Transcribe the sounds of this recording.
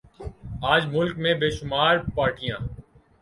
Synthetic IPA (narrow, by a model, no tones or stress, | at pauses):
aːd͡ʒmʊlkmẽːbeːʃʊmaːɾpaːɾʈɪjãː